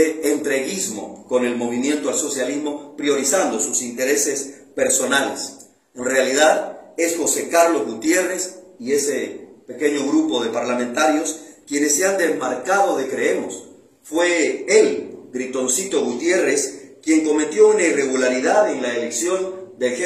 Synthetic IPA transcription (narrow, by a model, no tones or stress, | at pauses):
eent̪ɾe̞ɣizmo̞̰ko̞ne̞lmo̞β̞imjẽ̞nt̪oalso̞sjalizmo̞pɾjo̞ɾisand̪o̞susint̪e̞ɾe̞se̞spe̞ɾso̞nales | enrealiðaðe̞sxo̞se̞kaɾlo̞zɣut̪je̞re̞sie̞sepe̞ke̞ɲo̞ɣɾupo̞ðe̞paɾlament̪aɾjo̞skje̞nesːeand̪ezmaɾkaðo̞ðe̞kɾeemos | fweelɡɾit̪o̞nsit̪o̞ɣut̪je̞reskje̞ŋko̞me̞t̪jo̞unaire̞ɣulaɾiðaðe̞ŋlaeleksjo̞nd̪ex